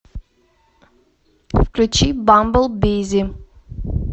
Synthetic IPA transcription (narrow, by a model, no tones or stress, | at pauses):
fkɾut͡ʃibãmbəlˠbizi